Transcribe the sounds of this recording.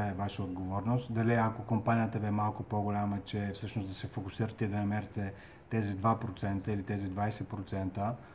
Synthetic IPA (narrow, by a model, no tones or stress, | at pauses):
ɛvaʃəod̪ɡovɔɾnost̪d̪ɐliɐkokompanijət̪əbɛmalˠkʊpoɡolʲamət͡ʃɛfsɤʃnosd̪ɐsɛfokʊsiɾət̪ɛɛd̪ɐnɐmɛɾɛt̪ɛ | t̪ɛzid̪vapɾot̪sɛnt̪əilit̪ɛzid̪vajsɛpɾot̪sɛnt̪ə